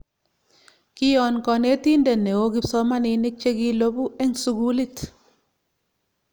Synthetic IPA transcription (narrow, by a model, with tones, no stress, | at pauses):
kɪ˦jɔ˨nkɔ˨ne˦ti˦ndɛ˨ne˨wo˦kɪ˦psɔ˦ma˦nɪ˧nɪ˦k̚t͡ʃe˦ki˦lo˦bu˦e˦ŋsu˦ɡu˦li˦t